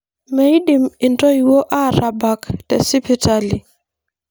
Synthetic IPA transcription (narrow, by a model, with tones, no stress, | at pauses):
me˨i˦di˨mɪ˨ntʼɔ˦iwɔ˦ʔara˨ba˨ktɛ˨si˦pʰitali˨